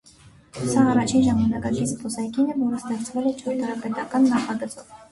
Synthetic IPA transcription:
sɑːrɑt͡ʃʰinʒɑmɑnɑkɑkit͡sʰpʰɔsɑjkinɛvɔɾəst̪ɛχt͡sʰvɛlɛt͡ʃʰɔɾt̪ʰɑɾɑpɛt̪ɑkɑnːɑχɑɡət͡sɔv

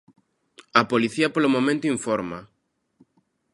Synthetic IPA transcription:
ɐpoliθiɐpolomomẽnt̪ʊiɱfɔɾmɐ̰

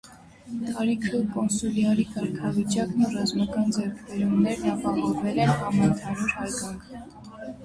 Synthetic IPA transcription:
t̪ɑɾikʰəkɔnsuljɑɾikɑɾkʰɑvit͡ʃɑknurɑzmɑkɑnd͡zɛɾkʰbɛɾumnɛɾnɑpɑhɔvɛlɛɑmənt̪ʰɑnuɾhɑjkɑŋkʰ

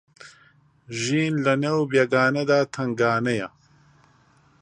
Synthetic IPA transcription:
ʒiːnlɐnewbjɐɡaːnɐd̪aːt̪ʰɐŋɡaːnɐjɐ

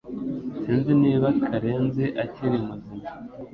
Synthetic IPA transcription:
siːnzeneːβakʰaɾeːnzeʔaciɾemuzima

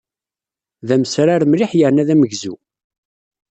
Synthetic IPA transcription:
ðæməsɾaɾmɾiħjəɾnæðæməʝzu

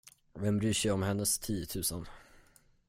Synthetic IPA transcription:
vɛmbɾyːʂɛjɔmhɛnːəst̪ʰiːət̪ʰʉ̟ːsən

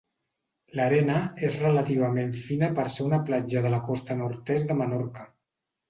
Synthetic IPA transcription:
ləɾɛnəezrələt̪iβ̞əmeɱfinəpəɾseunəplad͡ʒəðələkɔst̪ənuɾt̪ɛzd̪əmənɔɾkə

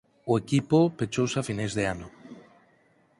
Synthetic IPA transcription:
ʊekipopet͡ʃowsafinajzðeanʊ

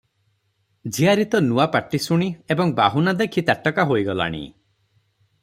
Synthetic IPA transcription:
d͡ʒiaɾit̪ɔnuapaʈisuɽ̃iebɔŋbaɦunad̪ekʰit̪aʈːɔkaɦojɡɔla̰ɽ̃ḭ

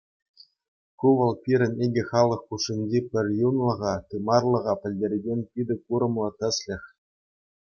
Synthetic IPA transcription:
kuʋɤ̆lˠpʲiɾʲɘ̆nʲeɡʲɘ̆χɑlˠɤ̆χːuʂːinʲd͡ʑepʲɘ̆rʲjunlˠɤ̆ʁɑt̪ɯmɑrlˠɤ̆ʁɑpʲɘ̆lʲdʲerʲɡʲenʲpʲid̪ʲɘ̆kuɾɤ̆mlˠɤ̆t̪ʲɘ̆sʲlʲɘ̆xʲ

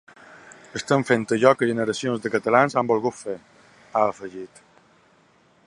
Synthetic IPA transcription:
əst̪əɱfent̪əʒɔkəʒənəɾəsionzðəkət̪əlanzambolˠɣut̪fe | aəfəʒit̪

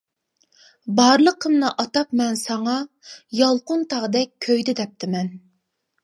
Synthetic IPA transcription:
bɑɾlˠəqʰːəmnɨʔɑt̪ɑpmɛnsɑŋɑ | jɑlˠqʊnt̪ʰɑʁd̪ɛk̚ʲʰːøjd̪ɪd̪ɛp̚t̪ʰɪmɛn

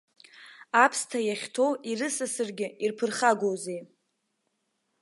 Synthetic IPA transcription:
apʰstʰajaχʲtʰo̞wirɨsasɨrɡʲɪirpʰɨrχaɡʷozej

